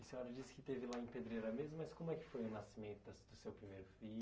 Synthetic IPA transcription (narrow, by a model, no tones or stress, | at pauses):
ɪsẽɔɾɐd͡ʒisɪ̥kɪt̪evɪlaẽped̪ɾejɾɐmezmɐmɐskõmʊɛkɪ̥fojʊnasimẽnt̪ʊd̪ɐsd̪ʊsewpɾimejɾʊfi